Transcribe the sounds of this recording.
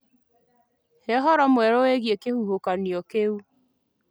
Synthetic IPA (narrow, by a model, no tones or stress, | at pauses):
heɦɔɾɔmwɛɾoeɣjekehuhokaniɔkeu